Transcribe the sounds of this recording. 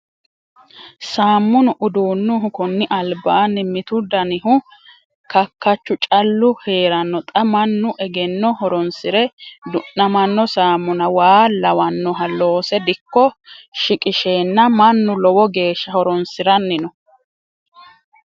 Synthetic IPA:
saːmːʊnʊʔʊd̪uːnːʊɦʊkʊnːɪʔɐlbaːnɪmɪt̪ʊd̪ɐnɪɦʊ | kɐkːɐt͡ʃːʊt͡ʃʼɐlːʊhe̞ːɾɐnːɔt̪ʼɐmɐnːʊʔɛɡɛnːɔhɔɾɔnsɪɾɛd̪ʊnːɐmɐnːɔsaːmːʊnɐwaːlɐwɐnːɔɦɐlo̞ːsɛd̪ɪkːɔʃɪkʼɪʃeːnːɐmɐnːʊlɔwɔɡe̞ːʃːɐhɔɾɔnsɪɾɐnːɪnɔ

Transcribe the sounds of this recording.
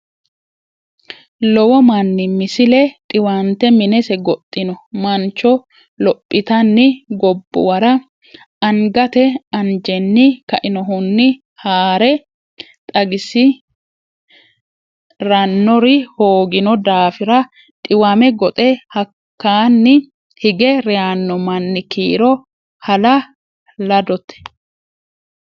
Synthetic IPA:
lɔwɔmɐnːɪmɪsɪlɛt̪ʼɪwant̪ɛmɪnɛsɛɡɔt̪ʼːɪnɔmɐnt͡ʃːɔ | lɔpʼːɪt̪ɐnːɪɡɔbːʊ̰wɐɾɐ | ɐŋɡɐt̪ɛɐnd͡ʒɛnːɪkɐʔɪnɔɦʊnːɪ | haːɾɛ | t̪ʼɐɡɪsɪ | ɾɐnːɔɾɪhoːɡɪnɔd̪aːfɪɾɐ | t̪ʼɪwɐmɛɡɔt̪ʼɛhɐkːaːnːɪ | hɪɡɛɾɛjanːɔmɐnːɪkiːɾɔ | hɐlɐ | lɐd̪ɔt̪ːɛ̥

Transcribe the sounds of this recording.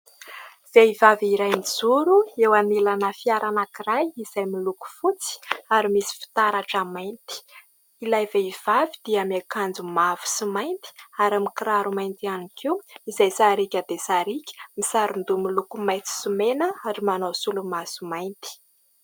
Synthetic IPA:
z̥eivaviɾajnizuɾuewanilanəfiaɾanakiɾajiz̥ajmiluku̥fut͡si̥aɾimisi̥fi̥t̪aɾaʈ͡ʂamajnt̪i̥ | ilajveiv̥avid̪̥iamakand͡zumavu̥simajnt̪i̥aɾamikiɾaɾumajnt̪ianikiwizajsaɾikʲəd̪esaɾikʲə̥misaɾund̪umilukumajt̪i̥sumenəaɾimanosulumasumajnt̪i̥

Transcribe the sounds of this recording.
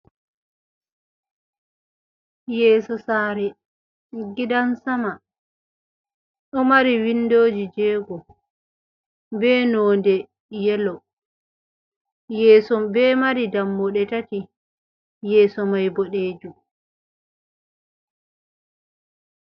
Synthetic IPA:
jɛːsɔsaːɾɛ | ɡidansama | ɗɔmaɾiwinːdoːd͡ʒid͡ʒɛːɡɔ | bɛnɔːndɛ | jɛlɔ | jɛːsɔbɛːmaɾidamːɔɗɛtati | jɛːsɔmajbɔɗeːd͡ʒum

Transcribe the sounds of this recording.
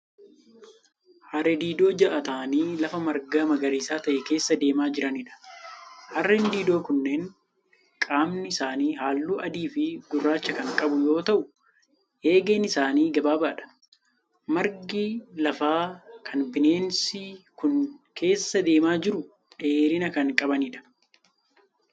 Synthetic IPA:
hɐɾɛd̪iːd̪o̞ːd͡ʒɐʔɐt̪aːniːlɐfɐmɐɾɡaːmɐɡɐɾiːsaːt̪ɐʔɛke̞ːsːɐd̪e̞ːmaːd͡ʒɪɾɐnɪᶑɐ̥ | hɐrːɛnd̪iːd̪o̞ːkʊnːe̞ːn | kʼaːmnɪɪsaːniːhaːlːuːʔɐd̪iːfɪɡʊrːaːt͡ʃːɐkɐŋkʼɐbʊjo̞ːt̪ɐʔʊ | ʔe̞ːɡeːnɪsaːniːɡɐbaːbaːᶑɐ̥ | mɐɾɡilɐfaːkʰɐnbɪne̞ːnsɪkʊnkʰe̞ːsːɐd̪e̞ːmaːd͡ʒɪɾʊ | ᶑe̞ːɾɪnɐkɐŋkʼɐbɐnɪᶑɐ̥

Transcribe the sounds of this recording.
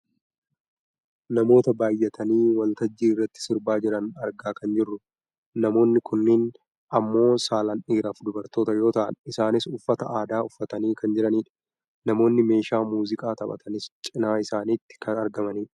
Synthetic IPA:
nɐmo̞ːt̪ɐbaːjːɛt̪ʰɐniːwɐlt̪ɐd͡ʒːiːɪrːɐt̪ːɪ̥sɪɾbaːd͡ʒɪɾɐnɐɾɡaːkɐnd͡ʒɪrːʊ | nɐmo̞ːnːɪkʰʊnːɪn | ʔɐmːo̞ːsaːlɐnʔiːɾɐfd̪ʊbɐɾt̪o̞ːt̪ɐjo̞ːt̪ɐʔɐ̰nɪsaːnɪsʊfːɐt̪ɐʔaːd̪aːʊfːɐt̪ɐniːkɐnd͡ʒɪɾɐniːᶑɐ̥ | nɐmo̞ːnːɪme̞ːʃaːmuːzɪkʼaːt̪ɐbɐ̰t̪ʰɐnɪst͡ʃʼɪnaːɪsaːniːt̪ːɪ̥kʰɐnɐɾɡɐmɐniːᶑɐ

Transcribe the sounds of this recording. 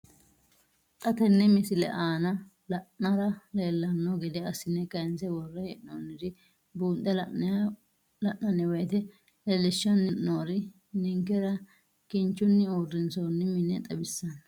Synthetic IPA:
t̪ʼɐt̪ɛnːɛmɪsɪlɛ̰ʔaːnɐ | lɐʔɐɾɐle̞ːlːɐnːoɡɛd̪ɛɐsɪnɛkɐɪnsɛwɔrːɐhɛʔoːnːɪd̪ɪ | buːnt̪ʼːɛlɐ | lɐʔnːɐnːɛwɛt̪ɛ | lelːɪʃːɐnːɪʔːoːɾɪ | nɪŋkɛɾɐ | kɪnt͡ʃːʊnːɪoːrːɪnsoːnːɪmɪnːɛ̰t̪ʼɐbɪsːɐn

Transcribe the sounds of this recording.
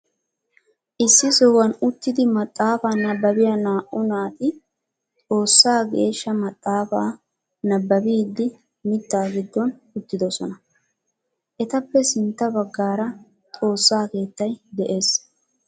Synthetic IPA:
ʔɪsːɪsoːwɐnʊt̪ːɪd̪ɪmɐt̪ʼːaːfaːnɐbːɐbɪjanaːʔʊnaːt̪ɪ | t̪ʼo̞ːsːaːɡe̞ːʃːɐmɐt̪ʼːaːfaː | nɐbːɐbiːd̪ːɪ | mɪt̪ːaːɡɪd̪ːɔn | ʊt̪ːɪd̪ɔsɔnɐ | ʔɛt̪ɐpːɛsɪnt̪ːɐbɐɡːaːɾɐ | t̪ʼo̞ːsːaːke̞ːt̪ːɐjd̪ɛʔe̞ːs

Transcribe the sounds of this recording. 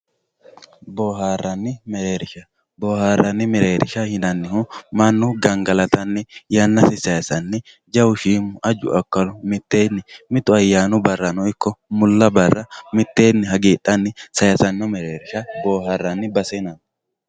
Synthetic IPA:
boːɦaːrːɐnːɪmɛɾeːɾɪʃɐ | boːhaːrːɐnːɪmɛɾeːɾɪ̰ʃɐhɪnɐnːɪhʊmɐnːʊɡɐŋɡɐlɐt̪ɐnːɛjɐnːɐsɪsɐjɐsɐnːɛ | d͡ʒɐwʊʃiːmʊʔɐd͡ʒʊ̰ɐkːɐlʊmɪt̪ːe̞ːnːɪmɪt̪ʊɐjːaːnʊbɐrːɐnɔɪkːɔmʊlːɐbɐrːɐmɪt̪ːeːnːɪɦɐɡeːɗːɐnːɪsɐjɐsɐnːɔmɛɾeːɾɪʃɐboːɦarːɐnːɪbɐsenɐn

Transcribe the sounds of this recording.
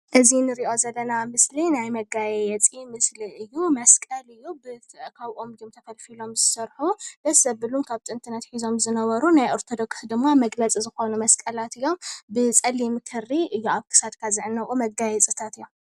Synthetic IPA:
ʔɨzinɨɾiʔo̞zɐlːɐnamɨslinajmɐɡajɛjɛt͡sʼimɨsliʔɨjːumɐskʼɐlɨjːubɨkʰaβʔo̞mɨjomt̪ʰɐfɐlfilo̞mzɨsɐɾħubɐsɐβbɨlunkʰaβt̪ʼɨnt̪ʰɨnɐt̪ħizo̞mzɨnɐβɐɾunajʔoɾt̪ʰod̪o̞ksd̪ɨmːamɐɡlɐt͡sʼizɨxo̞numɐskʼɐlat̪ɨjːo̞mbɨt͡sʼɐlimɨkʰɨrːiʔɨjːuaβkʰɨ̥sad̪kʰazɨʕɨnːɐʔʼumɐɡajɛt͡sʼɨt̪ʰat̪ɨjːo̞m

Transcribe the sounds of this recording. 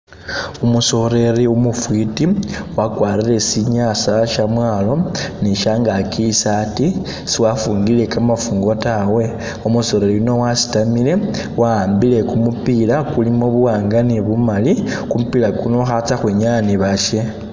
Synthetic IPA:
umuso̞ɾe̞ɾiumufwitiwakwaːɾiɾe̞siɲaːsaʃamwaːlo̞niʃaŋɡakisati | siwafuːŋɡile̞kamafuːŋɡo̞tawe̞ | omuso̞ɾe̞ɾiino̞wasi̥tamile̞ | waːmbile̞kumupilakulimoβuwaːŋɡaniβumalikumupiːlakuno̞xat͡saxweːɲaniβaʃe̞

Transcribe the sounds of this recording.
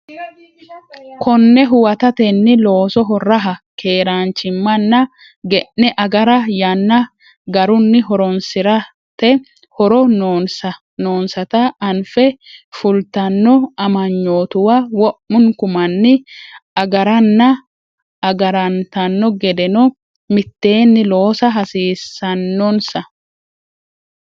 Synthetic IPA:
kʰɔnːɛɦʊwɐt̪ɐt̪ɛnːɪlo̞ːsɔɦɔrːɐɦɐkʰe̞ːɾaːnt͡ʃɪmːɐnːɐ | ɡɛʔːɛʔɐɡɐɾɐjɐnːɐ | ɡɐɾʊnːɪɦɔɾɔnsɪɾɐ | t̪ɛ | hɔɾɔnoːsɐ | noːnsɐt̪ɐɐnfɛfʊlt̪ɐnːɔɐmɐɲːo̞ːt̪ʊwawɔʔːʊŋkʊmɐnːɪɐɡɐɾɐnːɐ | ɐɡɐɾɐnt̪ɐnːɔɡɛd̪ɛnɔ | mɪt̪ːe̞ːnːɪlo̞ːsɐɦɐsiːsːɐnːɔnsɐ

